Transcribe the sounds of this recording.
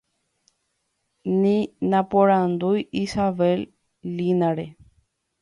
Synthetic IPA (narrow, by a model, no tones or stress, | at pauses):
nĩnãpoɾãnd̪ujisaʋelː | ĩnãɾe